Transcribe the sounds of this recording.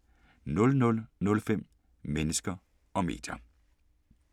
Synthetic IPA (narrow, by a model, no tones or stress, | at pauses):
nɔ̽lnɔ̽lnɔ̽lfem̰ | menəsɡ̥ɐ | ɒ̽me̝̰ːd̥jɐ